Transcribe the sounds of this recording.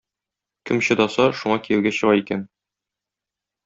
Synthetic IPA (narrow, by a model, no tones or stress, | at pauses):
kɘmɕɤ̆d̪ɒsɑʃuɴɑkijɘ̆wɡæɕɤ̆ʁɑikæn